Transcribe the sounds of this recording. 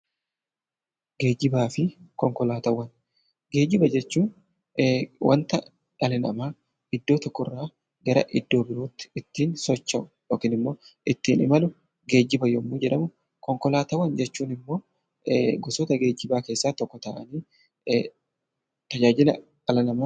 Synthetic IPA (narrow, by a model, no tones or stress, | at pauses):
ɡe̞ːd͡ʒɪbaːfɪkɔŋkɔlaːt̪ɐwːɐn | ɡe̞ːd͡ʒɪbɐd͡ʒɛt͡ʃːuːn | wʔɐ̰nt̪ɐ | ᶑɐlɪnɐ̰maː | ɪd̪ːo̞ːt̪ɔkːɔrːaː | ɡɐɾɐ̰ʔɪd̪ːo̞ːbɪɾoːt̪ːɪ̥ɪt̪ːiːnsɔt͡ʃːɐʔʊ̥joːkiːnɪmːo̞ːʔɪt̪ːiːnɪmɐlʊ | ɡe̞ːd͡ʒːɪbɐjɔmːuːd͡ʒɛᶑɐmʊ | kɔŋkɔlaːt̪ɐwɐnd͡ʒɛt͡ʃːuːnɪmːo̞ː | ɡɔsɔːt̪ɐɡe̞ːd͡ʒɪbaːke̞ːsːaːt̪ɔkːɔt̪aːʔɐniː | t̪ɐd͡ʒaːd͡ʒɪlɐ̰ | ᶑɐlɐnɐmaː